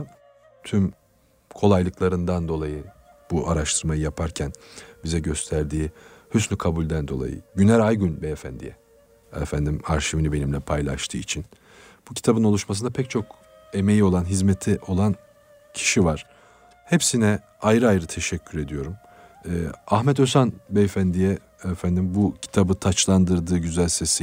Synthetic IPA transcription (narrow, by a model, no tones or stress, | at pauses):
t̪ʰym | kʰo̞lˠajlˠɯklˠaɾɯnd̪and̪o̞lˠajɯ | b̥uʔaɾaʃt̪ʰɯɾmajɯjapʰaɾcʰænbizɛɟø̞st̪ʰæɾd̪iːhysnʲykʰabulʲd̪ænd̪o̞lˠa̰jɯ̰ɟynæɾajɡynbɛefænd̪ḭjɛ̰ | efænd̪imaɾʃivinibe̞nimlʲɛpʰajlˠa̰ʃt̪ʰɯ̰ːit͡ʃʰin | b̥ucʰi̥t̪ʰabɯno̞lˠuʃmas̬ɯnd̪apʰɛc̚t͡ʃʰo̞k | e̞me̞jio̞lˠanɦizmet̪ʰiʔo̞lˠan | cʰi̥ʃivaɾ̥ | hepsinɛ | ajɾɯajɾɯt̪ʰe̞ʃɛcʰːyɾe̞d̪ijo̞ɾumː | aɦmɛt̪ø̞sanbɛefænd̪ijɛ | ɛfænd̪imbucʰi̥t̪ʰabɯt̪ʰat͡ʃlˠand̪ɯɾd̪ɯːɟyzælʲse̞si